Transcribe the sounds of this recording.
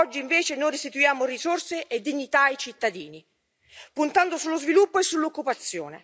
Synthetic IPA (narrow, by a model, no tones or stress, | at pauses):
ɔd͡ʒːiːɱveːt͡ʃenojɾist̪it̪ujaːmorisorseʔed̪ːiɲːit̪aajt͡ʃit̪ːad̪iːni | punt̪and̪osulːozvilupːoesːulːokːupat̪sːjo̰ːnḛ